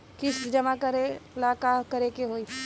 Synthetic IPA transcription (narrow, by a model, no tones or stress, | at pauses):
kɪsd͡ʒɐmakɐɾelaːkakɐɾekeɦoːi